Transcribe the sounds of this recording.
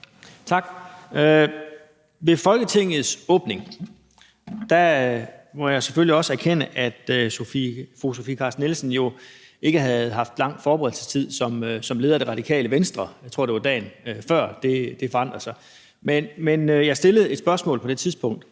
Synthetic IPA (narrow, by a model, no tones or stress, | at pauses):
t͡sʰɑ̈ɡ̥ø | ʋe̝fɒ̽lɡ̥ət͡sʰe̝ŋ̰ð̩ˠsɔ̽ːb̥ne̝ŋ | d̥æ | mɒ̽jɑ̈ɪseføliɒ̽səæɐkʰenəʔæd̥sofifʁusofikʰɑ̈ːsd̥nelsnjo̝ | ʔe̝ɡ̥əɦæð̩ˠɦɑ̈fd̥lɑ̈ŋ̰̥fɒːb̥əʁɛðdl̩sə̥st͡sʰið̰ˠsɒ̽msɒ̽mle̝ːðˠɐd̥e̝ʁɑ̈d̥ikʰɛ̰ːləʋensd̥ʁɐjɑɪt͡sʰʁo̝ɐ̰de̝ʋɑ̈d̥ɛ̰ːnfɶɐ̰d̥e̝d̥e̝fɒɑn̰d̥ʁɐsɑ̈ɪ | menmenøjɑ̈sd̥e̝ləð̩ˠe̝d̥sb̥ɶɐsmɔ̰̽ːlpʰɒ̽d̥e̝t͡sʰiðˠsb̥ɔ̽ŋ̰d̥